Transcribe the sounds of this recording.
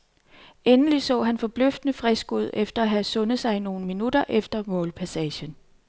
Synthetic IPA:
enəlisɔ̰̽ːɦænfɒ̽b̥løfd̥ənəfʁɛsɡ̥uð̞̰ˠefd̥ɐæɦæsɔ̽nð̞̩ˠsɑ̈ɪino̝ːn̩minud̥ɐʔefd̥ɐmɔ̽ːlpʰæsɛːɕən

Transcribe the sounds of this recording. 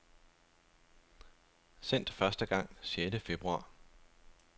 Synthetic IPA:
sen̰d̥fɶɐsd̥əɡ̥ɑ̈ŋ̰sjedəfe̝b̥ʁuɑ̰̈ː

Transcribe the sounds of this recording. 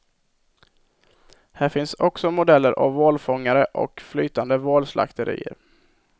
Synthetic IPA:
hæːɾfɪnsɔksɔmʊd̪ɛlːəɾʔa̰vːoːlfɔŋːaɾəʔɔ̰kfly̰ːt̪and̪əvoːlslʔa̰kt̪ʰəɾḭːə̰ɾ

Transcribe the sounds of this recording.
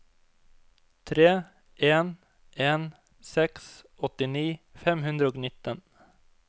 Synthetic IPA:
t̪ʰɾeː | eːn | eːn | sɛks | ɔt̪ːɪniːfɛmɦɵnd̪ɾəɔɡnɪt̪ːɔn

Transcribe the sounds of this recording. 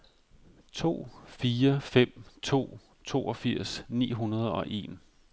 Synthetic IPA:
t͡sʰo̝̰ːfiːɐfem̰t͡sʰo̝̰ː | t͡sʰo̝̰ːɒ̽fiɐ̰snḭːɦunɐð̞ˠɒ̽ʔe̝̰ːn

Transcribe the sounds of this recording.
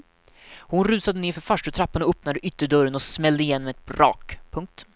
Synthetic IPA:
hʊnɾʉ̟ːsad̪əneːɾfœɾfaʂʈət̪ʰɾapːanɔɵpnad̪əʔʏt̪ːəɖœɾənɔsmɛld̪əɪjɛnːmɛɛt̪̚bɾɑ̰ːkpʰɵŋk̚t̪

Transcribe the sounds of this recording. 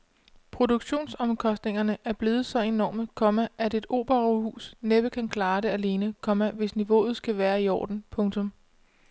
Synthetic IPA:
pʰʁo̝d̥uɡ̥ɕo̝̰ːnsɒ̽mkʰɒ̽sd̥ne̝ŋɐnəʔæɐb̥le̝ːð̞̩ˠsɒ̽e̝nɒ̰ːməkʰɒ̽mæʔæde̝d̥o̝̰ːb̥ɐʁohṵːsneb̥əkʰænkʰlɑ̈ːɾ̥e̝æle̝ːnəkʰɒ̽mæʋe̝sniʋo̝̰ːð̞̩ˠsɡ̥æʋæːɐiɒ̰ːd̥n̩pʰɔ̽ŋt͡sʰɔ̽m

